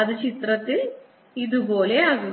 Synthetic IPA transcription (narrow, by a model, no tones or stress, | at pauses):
ɐd̪ɐt͡ʃit̪ɾɐt̪ːi | id̪uboːleaːɡu